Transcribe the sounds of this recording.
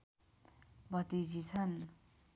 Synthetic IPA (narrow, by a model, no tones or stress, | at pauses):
bat̪iʑisʰan